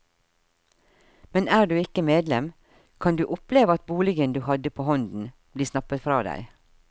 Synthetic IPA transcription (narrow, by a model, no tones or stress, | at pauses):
mɛnæːɖʉːɪkəmeːd̪lɛm | kʰɑnd̪ʉːʔʊpleːʋəɑt̪̚buːlɪɡənd̪ʉːhɑd̪əpʰoːhɔnd̪n̩ | b̥liːsnɑpət̪fɾɑ̰ːd̪æ̰ɪ